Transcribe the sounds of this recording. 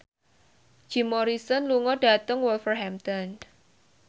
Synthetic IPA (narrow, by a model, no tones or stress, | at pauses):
d͡ʒ̥i̤mɔɾisɔnluŋɔɖ̥a̤t̪əŋwɔlfərɦamt̪ɔn